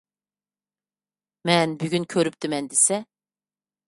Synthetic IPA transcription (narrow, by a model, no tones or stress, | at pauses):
mɛnbyɡʲynkʲʰøɾyp̚t̪ɪmɛnd̪esɛ